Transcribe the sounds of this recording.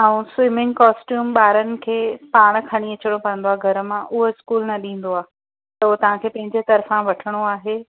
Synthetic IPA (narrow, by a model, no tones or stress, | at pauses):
ɛ̃ũswɪmɪ̃ŋɡkaːsʈjuːmɓaːɾənɪ̆kʰeːpaːɽ̃kʰɐɽ̃iɐt͡ɕəɽ̃opɐə̃nd̪oaːɡʱɐɾə̆mãʔʊɦoɪskuːlnɐɗĩːn̆d̪oaː | t̪ɐt̪ɐʋ̤ãkʰeːpɐ̃ɦɪ̃ɲd͡ʑet̪ɐɾfãʋɐʈʰəɽ̃oaːɦeː